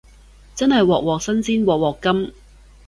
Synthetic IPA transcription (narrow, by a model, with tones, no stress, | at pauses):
t͡sɐ˥nhɐ˨jwɔː˨k̚wɔː˨k̚sɐ˥nsiː˥nwɔː˨k̚wɔː˨˩kːɐ˥m